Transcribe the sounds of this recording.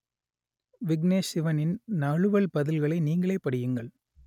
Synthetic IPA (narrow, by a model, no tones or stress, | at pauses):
ʋɪɡneːsɪʋɐnɪnnɐɻɯʋɐɭpɐðɪlɣɐɭɐɪniːŋɡɐɭeːpːɐɽɪjɯŋɡɐɭ